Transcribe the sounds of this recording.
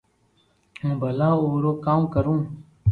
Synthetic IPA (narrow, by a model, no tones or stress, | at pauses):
ɦũːbʱəlãːoːɾoːkãːmkəɾũː